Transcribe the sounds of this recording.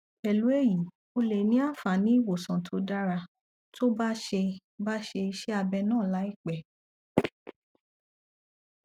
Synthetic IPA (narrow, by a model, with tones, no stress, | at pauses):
ɛ˨lu˨˦e˦˨ji˨ | o˧le˨nĩ˨˦a˦˨fa˨nĩ˦i˦˨wo˨sã˨tʰo˧˦da˦ɾa˧ | tʰo˦ba˦ʃe˧ | ba˦ʃe˧i˧ʃɛ˦a˧bɛ˧nãː˦˨la˨˦i˦˨k͡pɛ˨